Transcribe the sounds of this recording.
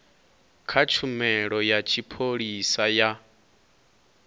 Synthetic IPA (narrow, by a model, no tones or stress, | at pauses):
kʰat͡ʃʰumɛɺɔjat͡ʃʰipʰoɺisaja